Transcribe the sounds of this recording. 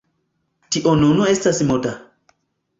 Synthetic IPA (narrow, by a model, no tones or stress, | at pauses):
tiʔonunuestasmota